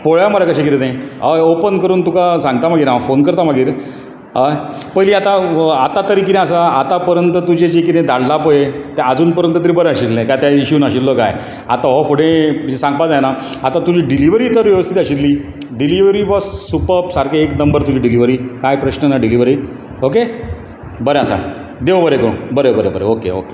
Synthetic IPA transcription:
poɭaməɾakəɕekit̪et̪ẽɦaopənkəɾuːnt̪ukasãŋɡt̪am̤aɡiːɾafonkəɾt̪amaɡiːɾ | ɦapəjliːat̪aat̪at̪əɾikinẽasəat̪apəɾjənt̪ət̪ud͡ʑed͡ʑekit̪ẽd̪ʱaɽ̤lapəjet̪aəd͡zuːnpəɾjənt̪ət̪iɾibəɾəaɕillːẽkajt̪jaiɕuːnaɕillːoka̰j | at̪aɦɔfoɽẽisãŋɡpad͡zajna | at̪ãt̪ud͡ʑiːɖiliʋəɾiːt̪əɾʋjəʋəst̪ʰit̪aɕit̪liː | ɖiliʋɾiːʋɔd͡zsupəpsaɾkeeknəmbəɾt̪ud͡ʑiːɖiliʋɾiːkajpɾəɕnənaɖiliʋəɾiː | oke | bəɾẽasa̰ | d̪eʋbəɾekəɽṵ̃bəɾebəɾebəɾḛokḛo̰ke̥

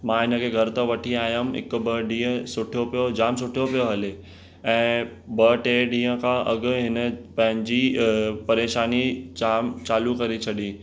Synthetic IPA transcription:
mãːɦɪnə̆kʰeːɡʱɐɾt̪əʋɐʈʰiaːɦjəmɦɪ̰kʊ̆bɐɖĩːə̃sʊʈʰijopijod͡ʑaːms̬ʊʈʰijopijoɦɐle | ɛ̃ː | bɐʈeːɖĩːə̃kʰãʔɐɡʊ̆ɦɪnə̆pɐ̃ɦɪ̃ɲd͡ʑiːpɐɾeːʃaːnit͡ɕaːmt͡ɕaːlukɐɾet͡ɕʰɐɗĩ

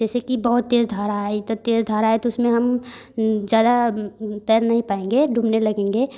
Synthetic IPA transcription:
d͡ʒɛːsekibɐɦʊt̪ːeːzd̪ʱaːɾaet̪ot̪eːzd̪ʱaːɾaːet̪oʊsmẽɦɐm | d͡ʒjaːd̪at̪ɛjɾnɐɦĩpaːẽŋɡeɖʱũːmnelɐɡẽːŋɡe

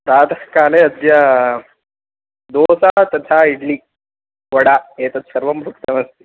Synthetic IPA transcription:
pɾaːd̪ʱɐkaːleɐd̪jɐ | d̪oːsat̪ɐd̪ʱaiɽliː | ʋɐɽaeːt̪ɐt̪sɐɾʋɐmbʱukt̪ɐmɐst̪i̥

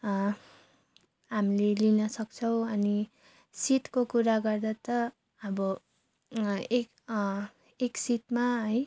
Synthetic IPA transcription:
ɦamilelinʌsʌk̚t͡sʰʌw̃ʌni | siʈkokuɾaɡʌrd̪at̪ʌ | ʌbʌ | ek | eksit̪maɦʌj

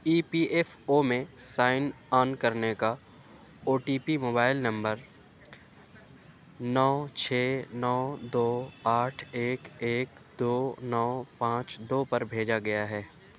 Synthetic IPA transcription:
iːpiʔefomẽsaːɪn | aːnkɐɾneka | oːʈiːpimoːbaːɪlnɐ̃mbəɾ | nɔːt͡ʃʰeːnɔːd̪oːaːʈʰeːkeːk | d̪oːnɔːpãːt͡ʃd̪oːpɐɾbʱeːd͡ʒaɡɐjaɦɛː

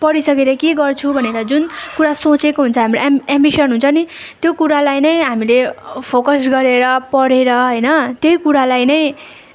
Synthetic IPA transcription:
pʌɾisʌkeɾʌkeɡʌrt͡sʰubʱʌneɾʌd͡zunkuɾasot͡sekoɦunt͡sʰʌɦamiloambisʌnɦunt͡sʰʌni | t̪jokuɾalajnʌj̃ɦamilepʰokʌsɡʌɾeɾʌpʌɽeɾʌɦʌjnʌt̪jojkuɾalajnʌj̃

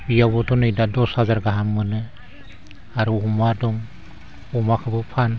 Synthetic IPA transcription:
bijabɔtʰɔnɯjdadɔshazaɾɡaɦamːɯnɯ | aɾuumadɔŋ | umakʰɯbɯpʰan

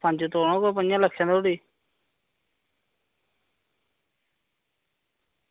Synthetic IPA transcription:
pə̃nd͡ʒt̪oːɳõːkoːpənjãːləkʰːãːd̪oːɽiː

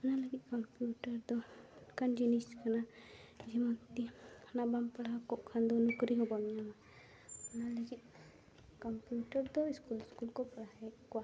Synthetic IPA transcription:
ɔnaləɡit̪̚ˀkɔmpijuʈaɾd̪ɔkand͡ʒiniskanad͡ʒɛmɔnt̪ikʰanabampaɽaɦkɔʔkʰand̪ɔnukɾiɦɔbɔmijama | ɔnaləɡit̪̚ˀ | kɔmpjuʈaɾd̪ɔiskuliskulkɔpaɽaɛkɔwa

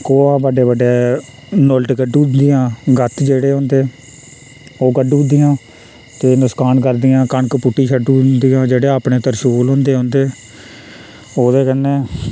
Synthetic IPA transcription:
koːãːbəɖeːbəɖeː | nʊlʈɡəɖuːd̪ɪjãːɡət̪ʰd͡ʒeːɽeːɦõːnd̪eː | oːɡəɖuːd̪ɪjãː | t̪eːnʊskaːnkəɾd̪ɪjãːkəɳkpʊʈːiːt͡ʃʰəɖund̪ijãːd͡ʒeːɽeːaːpɳeːt̪əɾʃoːlɦõːnd̪eːɦõːnd̪eː | oːd̪eːkənːeː

